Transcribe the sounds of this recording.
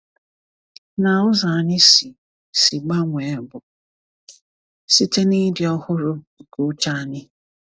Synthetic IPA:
na˨ʊ˦za˨nɪ˦si˨ | si˨ɡ͡ba˦ŋʷ˨e˨˦˨bʊ˨ | si˦te˦ni˦dɪ˨ɔ˦hʊ˦ɾʊ˦˨ | ku˦t͡ʃa˦nɪ˦

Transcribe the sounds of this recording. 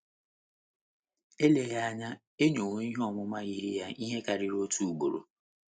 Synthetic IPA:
e˦le˨ɣa˦a˦ɲa˦ | e˦ɲo˨ŋo˦i˦ɦe˦ɔ˨mʊ˦ma˦ɣi˦ɾi˦ja˦i˦ɦe˦ka˨ɾɪ˨ɾo˦tu˦u˨ɡ͡bo̰˨ɾo̰˨

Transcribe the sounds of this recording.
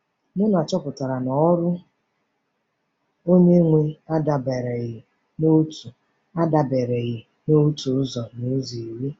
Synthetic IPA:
nʊ˦n˨a˨t͡ʃɔ˦pʊ˨ta˨ɾa˨nɔ˨˦ɾʊ˦ | o˦ɲe˦ŋʷe˦a˦da˨be˨ɾe˨ɣɪ˨ | no˦tu˨ | a˦da˨be˨ɾe˨ɣɪ˨ | no˦u˦tu˨ʊ˦zɔ˨ni˨˦zi˨i˨ɾi˦

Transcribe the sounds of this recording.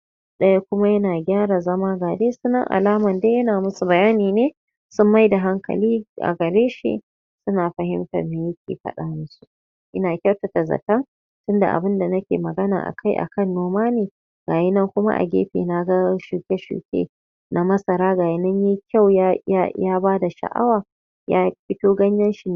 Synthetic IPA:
ɗɐ˦ja˦kʷʊ˦ma˦jɐ˦naː˨ɡʲaː˦ɾa˨zɐ˦maː˦ɡaː˨deː˦sʊ˦nːɐ̰˦ŋʔa̰˨laː˦mɐ˨nde˦jɐ˦naː˨mʊ˦su˨bɐ˨jaː˦niː˨neː˦ | sʊ˦mːa˦jda˨ɦa˦ŋkɐ̰˨liː˦ʔa̰˨ɡɐ˨ɾeː˦ʃḭ˦ | sʊ˦naː˨ɸɐ˨ɦɪ˦mtɐ̰˨meː˨jɐ˦kʲḛ˨ɸɐ̰˦ɗa̰ː˦mʊ˦su̥˨ | ʔɪ˦naː˨kʲa˦˨wtɐ˨ta˨zɐ̰˨tɐ˦ŋ | tʊ˦nda̰˨ʔa̰˨bɪ˦nda˨nɐ˦kʲḛ˨mɐ˨ɡɐ˦na̰ː˨ʔa̰˨kʰa˦jʔa̰˨kɐ˦˨nːoː˦maː˦neː˨ | ɡ̥aː˨jɪ˦nɐ˦ŋkʷʊ˦ma̰˦ʔa̰˨ɡʲḛː˦ɸḛː˨na˦ɡa˦ʃu˨kʲe˦ʃṵ˨kʲḛ˦ | nʔa˦mɐ˦sɐ˨ɾaː˦ɡaː˨jɪ˦nɐ˦ɲji˦kʲa˦˨wja˦a˦jaː˦baː˦da˨ʃɐ̰˨ʔa̰˦waː˨ | jaː˦ɸɪ˦toː˦ɡɐ˦ɲjɐ˦nʃi˨n

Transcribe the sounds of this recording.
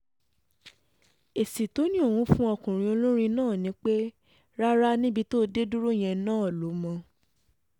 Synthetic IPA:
e˨si˨to˨˦nĩ˦o˦˨wũ˨˧˦fũ˦ɔ˧kũ˨ɾ̃ĩ˧˦o˧lõ˦ɾ̃ĩ˧nãː˦˨nĩ˨˦k͡pe˦ | ɾa˦ɾa˦nĩ˦bi˧to˦de˦du˦ɾo˦˨j̃ɛ̃˧nãː˦˨lo˨˦mɔ̃˧

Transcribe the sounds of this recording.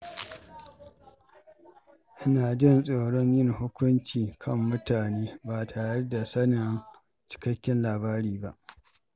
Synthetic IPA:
ʔɪ˦naː˨d͡ʒɪ˦˨nsʼoː˨ɽɔ˦ɲjɪ˦˨ŋhʊ˦kʷʊ˦nt͡ʃiː˨kʰɐ˦mːʊ˦taː˨neː˦baː˨tʰaː˨ɽe˦da˨sɐ˦nɪ˨˦n | t͡ʃɪ̥˦kɐ˦kʲːɪ˦nlaː˨baː˦ɽiː˨ba˦ʔ

